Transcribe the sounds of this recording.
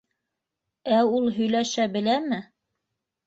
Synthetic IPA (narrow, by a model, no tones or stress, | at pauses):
æulˠɦɵ̆jlæʃæbɘ̆læmɘ